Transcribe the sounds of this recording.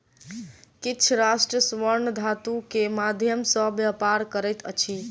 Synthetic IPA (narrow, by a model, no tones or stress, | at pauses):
kiːt͡ʃʰɾasʈɾəsʋəɾnd̪ʱat̪ukemad̪ʱjəmsəbjəpaɾkəɾɛjt̪ə̰t͡ʃʰi